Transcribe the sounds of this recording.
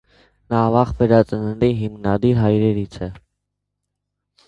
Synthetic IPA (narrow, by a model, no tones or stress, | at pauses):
nɑvɑχvɛɾɑt͡sənəɾiɦimnɑd̪iɾɦɑjɾɛɾit͡sʰɛ